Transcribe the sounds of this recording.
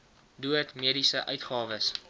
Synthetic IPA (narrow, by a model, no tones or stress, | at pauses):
duətmiədisəʔœɥtχɑːvəs